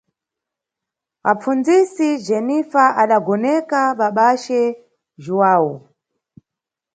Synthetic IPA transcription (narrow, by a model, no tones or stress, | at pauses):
wap͡fund͡zisid͡ʒɛnifaʔaɗaɡɔnɛkaɓaɓat͡ʃɛ | ʒuwaːwɔ